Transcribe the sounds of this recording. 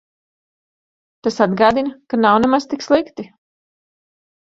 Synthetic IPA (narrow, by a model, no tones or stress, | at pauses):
t̪asad̪ɡaːd̪inɐkanawnɛmaz̥t̪ikslˠikt̪i